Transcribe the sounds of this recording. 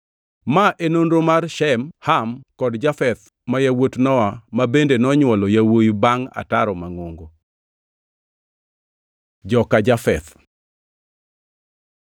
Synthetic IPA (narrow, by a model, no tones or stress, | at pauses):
maʔenonɾomarʃɛmhamkɔdd͡ʒafɛt̪ | majawotnɔwamabendenɔɲwɔlɔjawojbaŋa̰taɾɔmaŋoŋɡo | d͡ʒɔkad͡ʒafɛt̪